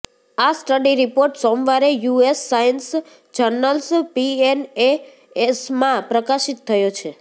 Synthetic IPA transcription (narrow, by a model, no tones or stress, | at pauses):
asʈəɖiɾipoɾʈsɔmʋaɾejuesːajəns | t͡ʃəɾnəlspiene | smãpɾəkaʃit̪ʰːəjot͡ʃʰe